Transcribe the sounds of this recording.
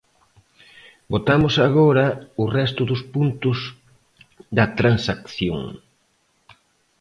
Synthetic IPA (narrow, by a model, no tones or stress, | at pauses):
bot̪amʊsaɣoɾɐʊrɛst̪ʊðʊspunt̪ʊz | ðɐt̪ɾansakθjo̰ŋ